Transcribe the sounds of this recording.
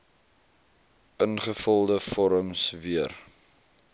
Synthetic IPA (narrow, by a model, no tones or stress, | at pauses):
ʔənχəfəlˠdəfɔɾəmsviər